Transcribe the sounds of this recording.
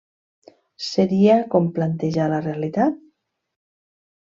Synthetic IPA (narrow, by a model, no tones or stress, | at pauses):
seɾiakomplant̪eʒalarealit̪at̪